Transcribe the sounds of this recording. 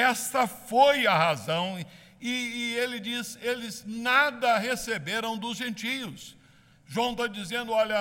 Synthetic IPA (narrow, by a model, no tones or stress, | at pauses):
ɛst̪ɐfojɐɦazɐ̃w̃ | ɪːelɪd͡ʒiselɪznad̪ɐɦesebeɾɐ̃w̃d̪ʊzʒẽnt͡ʃijʊs | ʒuɐ̃w̃t̪ad͡ʒizẽnd̪ʊɔʎɐ